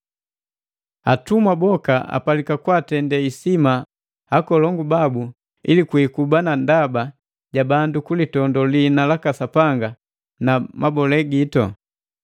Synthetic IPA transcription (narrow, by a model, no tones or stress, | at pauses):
atumwabɔkaʔa̰palikakwaːtɛndɛisima | akɔlɔŋɡubabu | ḭlikuikubanandaba | ɟabandukulitɔndɔlinalakasapaŋɡa | namabɔlɛɡitɔ̰